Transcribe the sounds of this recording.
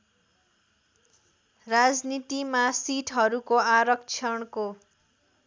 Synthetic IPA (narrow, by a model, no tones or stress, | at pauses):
rad͡znit̪imasiʈʰɦʌɾukoaɾʌk̚t͡sʰʌɳko